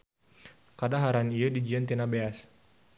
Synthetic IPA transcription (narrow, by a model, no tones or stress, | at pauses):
kadaɦaɾaniadid͡ʒiant̪inabeas